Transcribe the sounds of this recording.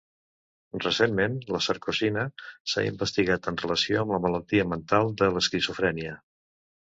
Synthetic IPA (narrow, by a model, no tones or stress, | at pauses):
rəsemmenləsəɾkuzinəsa̰ḭmbəst̪iɣat̪ənrələsioəmləmələlˠt̪iəmənt̪alˠd̪ələskɾizufɾɛniə